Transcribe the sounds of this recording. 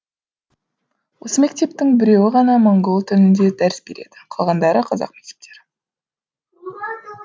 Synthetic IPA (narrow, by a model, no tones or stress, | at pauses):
wo̞səme̞k̚t̪e̞pt̪ɪŋbɪɾe̞wɪʁɑnɑmoŋɡo̞lˠt̪ʰʏlɪnd̪e̞d̪æɾɪsbe̞ɾe̞̰d̪̥ɪ̥qʰɑlˠʁɑnd̪ɑɾəqʰɑzɑ̰qmek̚t̪e̥p̚t̪ʰe̞ɾɪ